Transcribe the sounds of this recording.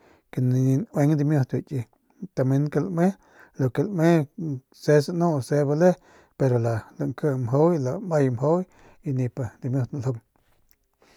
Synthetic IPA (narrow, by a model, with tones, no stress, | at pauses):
ke˧˨ni˧nwe˧˦ŋd̪i˧mjo˧t̪wi˧˨t͡ʃi˧ | t̪a˧me˦nka˧˨lʔmẽ˦ | lo˨ke˧˨lʔmẽ˦ | se˦sa˧nõ˦ʔse˧˦ba˧le˦ | pe˧ɾo˨la˨la˧˨ŋkə˧mɦo˦wla˧mba˦˧jmɦo˦wj | i˧nĩ˧pa˧d̪i˧mjo˧t̪na˨lho˧ŋ